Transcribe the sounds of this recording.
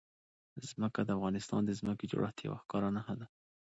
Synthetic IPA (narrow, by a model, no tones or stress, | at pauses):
z̥məkad̪əafɣɑnɪst̪ɑ̰nd̪əzməked͡ʒo̰ɽʔaht̪ja̰wa̰xkɑɾanahad̪a